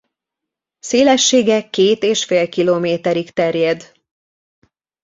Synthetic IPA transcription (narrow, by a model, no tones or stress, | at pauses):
seːlɛʃːeːɡɛkːeːt̪eːʃfeːlkiloːmeːt̪ɛɾikt̪ɛrjɛd̪